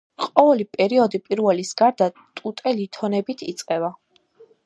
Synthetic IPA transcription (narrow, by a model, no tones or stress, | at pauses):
qʼɔvɛlipʼɛɾiɔd̪ipʼiɾvɛlisɡaɾd̪at̪ʼut̪ʼɛlit̪ʰɔnɛbit̪ʰit̪sʼqʼɛva